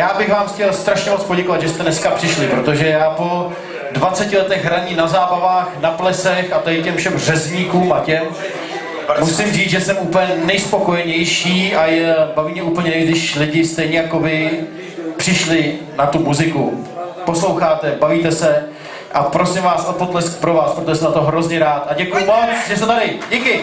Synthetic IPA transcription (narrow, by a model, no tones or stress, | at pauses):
jaːbɪɣvaːmxcɛlst̪ɾaʃɲɛmo̞t͡spoɟɛkovad̪ʒɛst̪ɛnɛskapr̥ɪʃlɪpɾot̪o̞ʒɛjaːpo̞ | dvat͡sɛcɪlɛt̪ɛɣɦɾaɲinazaːbavaːxnaplɛsɛxat̪adɪcɛmfʃɛmrɛzɲiːkuːmacɛm | musɪmriːt͡sʒɛsɛmuːpɲɛnɛjspo̞ko̞jɛɲɛjʃiːajɛbaviːmɲɛuːpl̩ɲɛɛɡdɪʃlɪɟɪst̪ɛjɲɛjakovɪ | pr̝̥ɪʃlɪ | nat̪umuzɪkupo̞slowxaːt̪ɛbaviːt̪ɛsɛ | ʔapɾosɪmvaːsʔopot̪lɛskpɾovaːspɾot̪oʒɛsɛmnat̪oɦɾo̞zɲɛɾaːt̪aɟɛkujʊmoʒɛst̪ɛt̪adɪɟikɪ